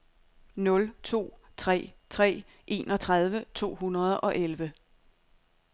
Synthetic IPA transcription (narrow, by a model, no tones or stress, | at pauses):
nɔ̽lt͡sʰo̝̰ːt͡sʰʁɛ̰ːt͡sʰʁɛ̰ː | ʔe̝̰ːnɒ̽t͡sʰʁað̞ˠʋət͡sʰo̝̰ːɦunɐðˠɒ̽ʔelʋə